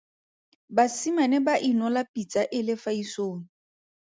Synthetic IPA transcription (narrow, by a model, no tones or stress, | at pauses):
basimanɛbaʔinɔlapit͡sʼaʔɪlɪfaisoːŋ̩